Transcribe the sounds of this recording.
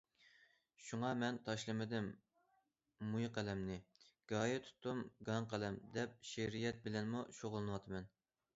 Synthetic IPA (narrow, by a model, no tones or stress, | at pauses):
ʃuŋɑmɛnt̪ʰɑʃlˠɨmɪd̪ɪm | ujqʰælɛmnɪɡ̥ɑːjet̪ʰu̥t̪ːumɡɑŋqʰælɛmd̪ɛp̚ʃeɾijɛt̪̚bɪlɛnmuʃoʁlˠɨnɨwɑt̪ʰɨmɛn